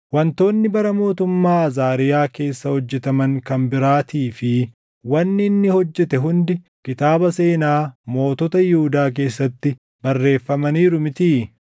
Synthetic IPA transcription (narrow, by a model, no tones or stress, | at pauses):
wɐnt̪o̞ːnːɪbɐɾɐmo̞ːt̪ʊmːaːɐzaːɾɪjaːke̞ːsːɐhɔd͡ʒːɛt̪ɐmɐŋkɐmbɪɾaːt̪iːfɪ | wɐnːɪnːɪhɔd͡ʒːɛt̪ɛɦʊnd̪ɪ | kɪt̪aːbɐse̞ːnaːmo̞ːt̪ɔt̪ɐjɪhʊd̪aːk̬e̞ːsːɐt̪ːɪ | bɐrːe̞ːfːɐmɐniːɾʊmɪt̪iː